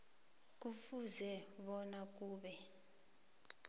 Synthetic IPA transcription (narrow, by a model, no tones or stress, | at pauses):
k̬ʼufuzɛɓɔnak̬uːɓɛ